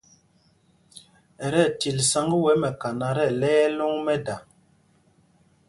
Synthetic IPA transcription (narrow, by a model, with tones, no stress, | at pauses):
ɛ˨ɾɛ˦˨ti˨lsa˦ŋɡə˦wɛ˨˦mɛ˨ka˨na˨ɾɛ˦˨lɛ˦ɛ˦lo˦ŋmɛ˦da˨